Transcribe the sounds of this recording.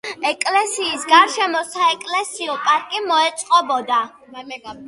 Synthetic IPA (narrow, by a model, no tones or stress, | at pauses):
ɛkʼlɛsiːsɡaɾʃɛmɔsaɛkʼlɛsiɔpʼaɾkʼimɔɛt̪sʼqʼɔbɔd̪a